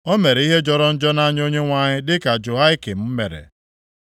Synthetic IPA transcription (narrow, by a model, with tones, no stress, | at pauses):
o˦me˨ɾe˨˦i˦ɦe˦d͡ʒɔ˦ɾɔ˦n̩˦d͡ʒɔ˦na˦ɲ˦o˦ɲe˦ŋʷa˦ɲɪ˦dɪ˦ka˨d͡ʒo˨ɦa˦ɪ˦ke˨m̩˦m̩˦me˨ɾḛ˨